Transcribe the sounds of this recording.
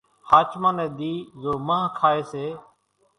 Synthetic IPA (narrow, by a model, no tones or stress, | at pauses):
haːt͡ʃmãːnɛ̃ːd̪iːzoːmãːkʰaːeːseː